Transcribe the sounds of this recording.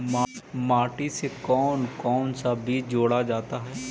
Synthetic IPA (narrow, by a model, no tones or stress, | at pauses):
mamaːʈisekɔːnkɔːnsabʱid͡ʒoːɽad͡ʒaːt̪aɦɛː